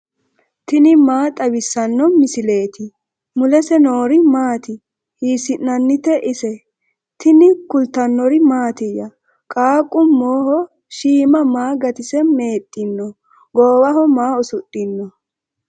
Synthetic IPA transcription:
t̪ɪnɪmaːt̪ʼɐwɪsːɐnːɔmɪsɪle̞ːt̪ɪ | mʊlɛsɛnoːɾɪmaːt̪ɪ | hiːsɪnnːɐnːɪt̪ɛʔɪsɛ | t̪ɪnɪkʊlt̪ɐnːɔɾɪmaːt̪ɪjɐ | kʼaːkʼːʊmːoːhɔ | ʃiːmɐmaːɡɐt̪ɪsɛme̞ːt̪ʼːɪnːɔ | ɡoːwɐɦɔmaːɔsʊt̪ʼːɪnːɔ

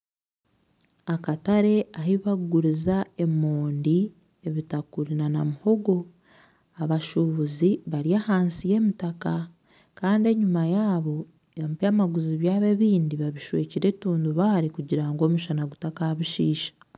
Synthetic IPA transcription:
akataɾe̞ahiβaɡuɾizae̞moːndi | eβitakuɾinanamuho̞ɡo̞ | aβaʃuβuziβaɾiahaːnsije̞ːmitaka | kaːndie̞ɲumajaːβo̞ | empamaɡuziβjaːβe̞βiːndiβaβiʃwḛːciɾeituːnduβaɾikuɟiɾaŋɡo̞ːmuʃanaɡutakaaβiʃiːʃḁ

